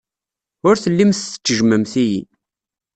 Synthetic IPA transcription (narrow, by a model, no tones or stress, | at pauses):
ʊɾθəlːimθθə̥t͡sːəʒməmθijḭ